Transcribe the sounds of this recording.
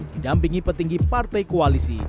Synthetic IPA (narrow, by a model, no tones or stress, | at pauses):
didampiŋipərt̪iŋɡipart̪ajkoalisḭ